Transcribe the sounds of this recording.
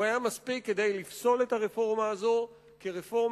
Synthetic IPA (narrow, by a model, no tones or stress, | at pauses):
ajamaspikːed̪ejlifso̞le̞taʁefo̞ʁmaːzo̞ | keʁefo̞ʁm